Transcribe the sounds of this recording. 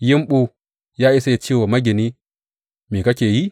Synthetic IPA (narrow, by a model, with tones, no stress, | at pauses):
ji˦mɓu˦ | ja˦i˦sa˦je˨t͡ʃi˦wo˨ma˦ɡʲe˨ni˦ | mi˨ka˦kʲe˨ji˦